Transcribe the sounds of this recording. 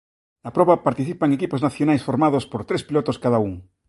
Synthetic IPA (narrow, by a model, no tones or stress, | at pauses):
napɾoβapaɾt̪iθipaeŋekipoznaθjonajsfoɾmað̞ospoɾt̪ɾespilot̪oskaðauŋ